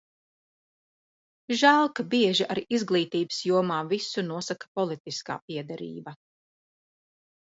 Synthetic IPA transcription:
ʒalˠkabiɛʒiʔaɾizɡlˠiːt̪iːbɨ̥sjuɔmaːvisunuɔsakḁpɔlˠit̪iska̰ːpiɛd̪ɛɾḭːba

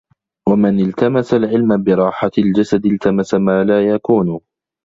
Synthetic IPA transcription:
wamɪnɪlt̪amasalʕɪlmabɪɾˤɑːħald͡ʒasad̪ɪlt̪ʰamasamaːlaːjakuːn

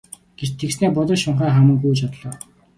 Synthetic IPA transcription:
ɡ̥et͡ɕt̪ʰːeksneːpʊt̪ə̆ʃʊɴχæːχamə̆ŋkujt͡ɕɔt̪̆ɮɔː

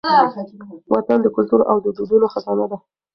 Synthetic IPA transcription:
wʔɑt̪and̪əkʊlt̪uɾʔawd̪əd̪ud̪unoxad̪ɑnad̪a

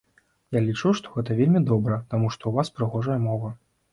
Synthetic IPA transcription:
jalʲit͡ʂuʂt̪ɔɣɛt̪ɐvʲelʲmʲid̪ɔbɾɐt̪amuʂt̪ɔuvaspɾɨɣɔʐɐjɐmɔvɐ

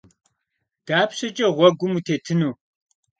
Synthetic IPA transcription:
d̥aːpɕɐt͡ʃʼɐʁʷɔɡʷʊmutʰeːtʰɨnuː

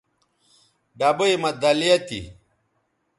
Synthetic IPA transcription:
ɖɐbɨjmɐd̪ɐlijɐt̪ḭ

